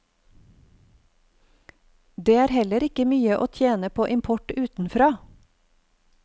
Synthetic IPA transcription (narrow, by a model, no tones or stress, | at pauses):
d̪eːæːɾhɛləɾɪkəmyːəʔo̰ːt̪ʰjeːnəpʰoːʔɪmpʰɔʈʉːt̪n̩fɾɑː